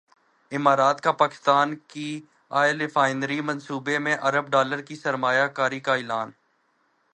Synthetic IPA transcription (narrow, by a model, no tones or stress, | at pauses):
ɪmaːɾaːt̪kapaːkɪ̥st̪aːnki | aːɪlɪfaːɪnɾimə̃nsuːbemẽʔɐɾəbɖaːləɾkisəɾmaːjakaːɾikaɪːlaːn